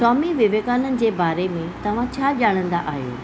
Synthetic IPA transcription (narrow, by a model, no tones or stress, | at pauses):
sɔːmiʋɪʋeːkaːnənɪ̆d͡ʑeːbaːɾemẽt̪ɐʋ̤ãt͡ɕʰaːʄaːɽ̃ə̃nd̪aʔaːɦjo̰ː